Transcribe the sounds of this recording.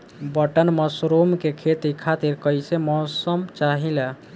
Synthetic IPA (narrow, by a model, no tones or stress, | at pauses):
bəʈənməsɾomkekʰet̪ikʰat̪iɾkəjsemɔsəmt͡ʃaɦilə